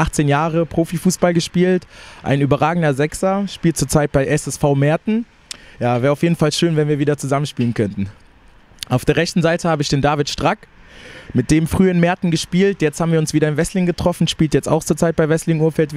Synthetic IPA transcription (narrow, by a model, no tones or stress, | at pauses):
ʔaχt͡seːnjaːʁəpʁ̥oːfifuːsb̥alɡəʃpiːltʔa̰ɪnyːbɐʁaːɡŋ̩dɐzɛksɐʃpiːlt̚t͡suːɐt͡saɪt̚b̥aɪʔɛsɛsfaʊmɛːɐtn̩ | jaːvɛːɐaʊfjeːdn̩falʃøːnvɛnviːɐviːdɐt͡suzamənʃpiːlənkʰœntn̩ | ʔaʊfd̥eːɐʁɛçtn̩zaɪtʰəhaːbəɪçd̥eːndaːvɪtʃtʁ̥ak | mɪt̚d̥eːmfʁ̥yːɪnmɛɐtn̩ɡəʃpiːltjɛt͡stʰhaːbm̩viːɐʊnsv̥iːɾɐɪnvɛslɪŋɡətʁ̥ɔfn̩ʃpiːltjɛt͡sta̰ʊxt͡suːɐt͡saɪt̚b̥aɪvɛslɪŋʔuːɐfɛltv